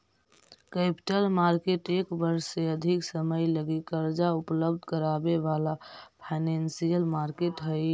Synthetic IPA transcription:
kɛpi̥ʈəlmaɾkeʈekbəɾseəd̪ʱiksəməjləɡikəɾd͡ʒaupləb̚d̪ʱkəɾabeʋalapʰaɪnensijəlmaɾkeʈɦəj

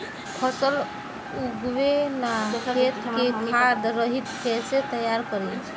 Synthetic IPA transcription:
pʰəsəl | uɡwenaet̪kekad̪ɾəɦit̪kʰeset̪əjaɾkəɾit͡ʃʰ

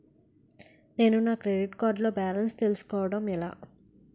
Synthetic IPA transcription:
ne̞ːnunaːkɾeɖiʈkaːɾɖlo̞ːbaːlɐnst̪e̞lusu̥kɔːʋɐɽɐmɛla̰ː

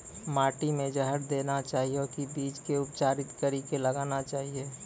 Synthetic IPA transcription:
maːʈimẽd͡ʒəɦəɾd̪eːnat͡ʃaːɦiokibiːd͡ʒkeʊpt͡ʃaːɾɪt̪kəɾikeləɡaːnat͡ʃaːɦie

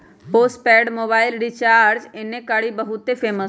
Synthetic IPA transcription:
poːsʈpɛːɖmoːbaːɪlɖit͡ʃaːɾɾd͡ʒenẽkaɽibəɦʊt̪efʰeːməs

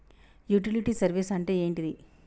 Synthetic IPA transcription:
juːʈ̬iliʈiːsɐɾʋisɐɳʈe̞ːeːɳʈid̪i

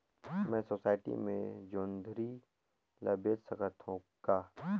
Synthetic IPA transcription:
mɛ̃ːsoːsaːɪʈḭmḛ̃d͡ʒoːnd̪ʱɾi | ləbeːtsəkət̪ɦũkaː

